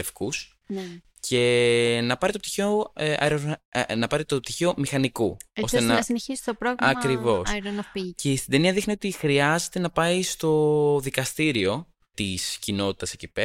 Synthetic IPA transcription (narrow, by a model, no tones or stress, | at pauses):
efkus | cʰe̞nɐpɐɾit̪op̚t̪içeoɐ̰eɾonɐpɐɾit̪op̚t̪içeo̞mixɐnikuosesnɐɐsineçisi̥t̪opɾoɣɾɐkɾivo̞sɾonɐpicest̪id̪e̞niɐðixnio̞t̪ixɾiɐze̞t̪e̞nɐpɐist̪o̞ðikɐst̪iɾio̞ | t̪iscino̞t̪i̥t̪ɐsecipe